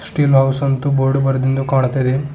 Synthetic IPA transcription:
sʈiːlɦɐwsɐnt̪uboːɾɖubɐɾɐd̪ind̪ukaːɳt̪ːɐjd̪e

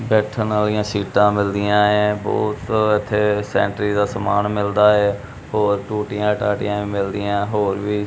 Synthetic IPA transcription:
bɛːʈʰənaːlijãːsiːʈãːmɪld̪ɪjãːẽːbɔ̰ːt̪ɪt̪ʰːeːsɛ̰̃ːɳʈɾiːd̪aːsəmaːnmɪld̪aːɛː | hoːɾʈuːʈɪjãːʈaːʈɪjãːʋĩːmɪld̪ɪjãːɦoːɾʋiː

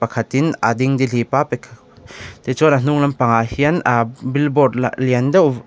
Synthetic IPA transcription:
pɐkʰɐt̪inad̪iŋd̪ilipapekʰ | t̪et͡ʃɔnan̥uŋlɐmpɐŋahiɐnbilbɔd̚liɐnd̪ɐ

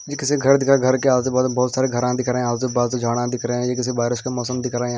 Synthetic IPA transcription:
jikɪseɡʱɐɾd̪ɪkɾaɡʱɐɾkeaːd̪t̪ebɔːt̪bɔːt̪saːɾeɡʱɐɾãd̪ɪkɾeɦɛ̃aːlt̪ebaːd̪t̪ed͡ʒʱaːɽ̃ãd̪ɪkɾeɛ̃jekɪs̬ibaːɾɪʃkemɔːsəmd̪ɪkɾeɦẽ

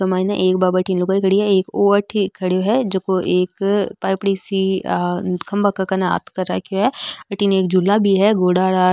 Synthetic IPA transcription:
ɐmaːinaʔeːk̚babɐʈinloɡaikəɽiɦɛeːkoɐʈʰːikʰːɐɽjoɦɛd͡ʒɐkoʔeːkpaːjpɽisi | kʰɐ̃mbakakɐnaa̰ːt̪kɐɾa̰kjõɦɛɐʈːineːk̚d͡ʒulːabʱiɦɛɡoːɽaːɽaː

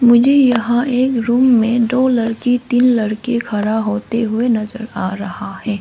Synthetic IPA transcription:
mʊd͡ʒʱejɐɦãʔeːkɾuːmːẽd̪oːlɐɾkit̪iːnlɐɽkekʰɐɾaɦoːt̪eɦʊenɐzə̰ɾaːɾɐɦahɛː

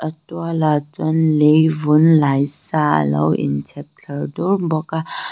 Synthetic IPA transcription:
ətwalat͡sɔnlejvunlajsa̰la̰wḭnsʰek̚tʰəɾduɾbɔka

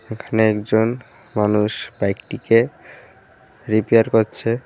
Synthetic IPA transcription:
ekʰaneɛkd͡ʑon | manuʃbajk̚ʈike | ɾipeaɾkoɾt͡ɕʰe

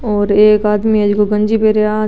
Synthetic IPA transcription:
ɔːɾeːkaːd̪miɐd͡ʒɡoɡɐ̃nd͡ʒipeɾea

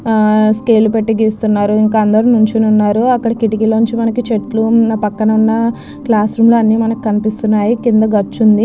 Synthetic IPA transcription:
skeːlupeʈːiɡiːst̪unːaːɾuiŋkɐɐnd̪ɐɾunuɲt͡ʃinunːaːɾuɐkːɐɽɐkiʈikiloːɲt͡ʃimɐnɐkit͡ʃe̞ʈlupɐkːɐnɐunːɐ | klaːsɾumloːɐnːiːmɐnɐki̥kɐnipist̪unːaːjikind̪ɐɡɐt͡ʃːund̪i

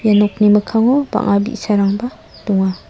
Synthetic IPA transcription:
janɔk̚nimakʰaŋɔba̰ŋabḭsaɾaŋba | duŋa

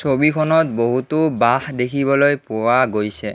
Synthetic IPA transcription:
sobikʰɔnɔtboɦutʊbaxdekʰibɔlojpʊwaɡojsɛ

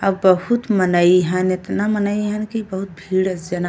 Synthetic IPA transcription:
əbbəɦut̪mənəiɦənet̪namənəiɦɛnkibəɦut̪̚bʱiːɽəsd͡ʒəna

